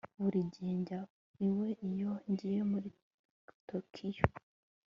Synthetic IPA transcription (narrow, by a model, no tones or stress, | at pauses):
βuɾiɟeːɲɟa | iwe̞ʔijo̞ɲɟijemuɾi | tokʰijo